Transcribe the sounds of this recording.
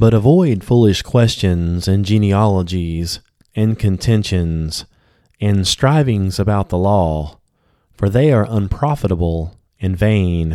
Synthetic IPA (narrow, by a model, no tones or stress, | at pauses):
b̥ʌɾəvɔɪd̥fulˠɨʃkʰw̥ɛst͡ʃɨ̃nzɨ̃nd͡ʒĩniɑlˠəd͡ʒiz | ɨ̃nkʰɨ̃ntʰɛ̃nʃɨ̃nz̥ | ɨ̃nstɹ̥aɪvɪ̃ŋzəbaʊt̪̚ðəlɔ | fə˞ðeɪə˞ʔə̃npʰɹ̥ɑfəɾəbl̩ˠ | ɨ̃nvẽɪ̃n